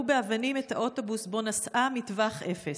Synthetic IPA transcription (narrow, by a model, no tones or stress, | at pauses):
ubeavanimetaʔoto̞busbo̞nasʔamitvaχʔefe